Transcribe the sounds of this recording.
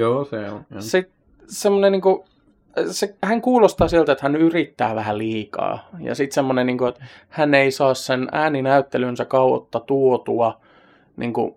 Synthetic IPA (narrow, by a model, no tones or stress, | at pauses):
joːsesit̪̚ | semːoneniːŋku | sehæŋkuːlost̪ɑːsiælt̪et̪hænyrit̪ːæːʋæhæliːkɑ̰ːjɑ̰sit̪semːonenniːŋkuet̪ | hæneisɑːssenæːninæyt̪ːelynsækɑuo̰t̪ːɑt̪uot̪uɑ | nḭːŋkṵ